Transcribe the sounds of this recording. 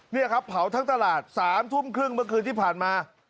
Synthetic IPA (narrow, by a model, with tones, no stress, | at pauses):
ni˥˩ɐkʰa˦˥pʰːa˩˦wt̪ʰa˦˥ŋt̪a˧laː˨˩t̪̚saː˩˦mt̪ʰu˥˩mkʰɾɯ˥˩ŋmɯ˥˩ɐkʰɯː˧nt̪iː˥˩pʰaː˨˩nmaː˧